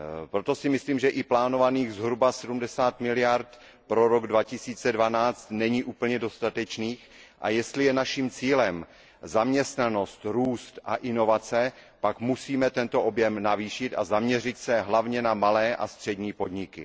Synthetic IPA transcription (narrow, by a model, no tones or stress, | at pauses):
pɾot̪o̞sɪmɪsliːmʒɛʔɪplaːno̞vaniːɣzɦɾubasɛdumdɛsaːt̪mɪlɪjaɾt̪ | pɾo̞ɾoɡdvacɪsiːt͡sɛdvanaːt͡st̪nɛɲiːʔuːpl̩ɲɛdo̞st̪at̪ɛt͡ʃniːxʔa̰jɛst̪lɪjɛnaʃiːmt͡siːlɛm | zamɲɛst̪nano̞st̪ɾuːst̪ʔa̰ʔɪno̞vat͡sɛpakmusiːmɛt̪ɛnt̪o̞ʔobjɛmnaviːʃɪt̪a̰zamɲɛr̝ɪt̪sɛɦlavɲɛnamalɛːʔa̰st̪r̥ɛdɲiːpo̞dɲɪkɪ